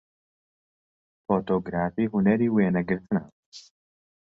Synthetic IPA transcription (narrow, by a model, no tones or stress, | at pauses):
fot̪oɡɾaːfiɦunɐɾiwenɐɡəɾt̪ʰna̰